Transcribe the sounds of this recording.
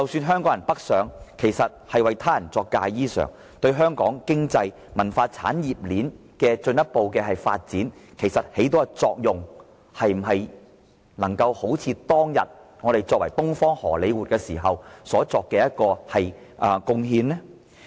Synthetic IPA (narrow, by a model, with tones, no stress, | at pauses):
t͡sɐ˨wsyː˧nɦœː˥ŋkɔː˨˥jɐ˨˩npɐ˥k̚sœː˨˧ŋkʰe˨˩jsɐ˨t̚hɐ˨jwɐ˨jt̪ʰaː˥jɐ˨˩nt͡sɔː˧kːaː˧jjiː˥sœ̰ː˨˩ŋ | t̪ɵ˧ɥɦœː˥ŋkɔː˨˥ŋkɪ˥ŋt͡sɐ˧j | mɐ˨˩nfaː˧t͡sʰa̰ː˨˥njiː˨p̚liː˨˥n | kɛː˧t͡ʃɵ˧njɐ˥t̚po˨wkɛː˧hɐ˨jfa̰ː˧t̚t͡siː˨˥nkʰe˨˩jsɐ˨t̚he˨˥t̪̬ɔː˥ɡɛt͡sɔː˧k̚jʊ˨ŋ | hɐ˨jm̩˨˩ɦɐ˨j | nɐ˨˩ŋkɐ˧who˨˥wt͡sʰiː˧t̪ɔː˥ŋjɐ̰˨t̚ŋɔː˨˧ɾe˨jt͡sɔː˧k̚wɐ˨˩jt̪ʊ˥ŋfɔː˥ŋhɔː˨˩le˨˧jwuː˨t̚kɛː˧siː˨˩ɦɐ˨wsɔː˨˥t͡sɔː˧kːɛː˧jɐ˥t̚kɔː˧hɐ˨j | ʔkʊ˧ŋɦiː˧nlɛ˥